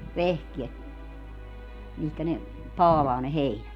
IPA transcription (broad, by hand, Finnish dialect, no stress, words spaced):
ʋehkiet mihkæ ne pɑːlɑː ne heinæt